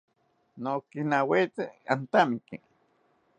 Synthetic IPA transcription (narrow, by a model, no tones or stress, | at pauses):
nokinawet͡seant̪amikḭ